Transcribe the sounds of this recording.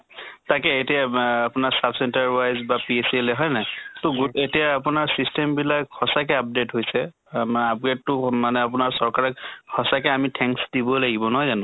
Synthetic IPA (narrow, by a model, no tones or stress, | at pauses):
takɛetiaapʊnaɹsabsɛntaɹpajzbapieselɛɦɔjnɛtɔɡuetijaːpʊnaɹsistembilakhɔsakɛap̚detɦojsɛ | ap̚ɡetːʊmanɛapʊnaɹsɔɹkaɹɛkhɔsakɛamitʰɛ̃ŋksdibɔlaɡibɔnɔɦɔjzanʊ̃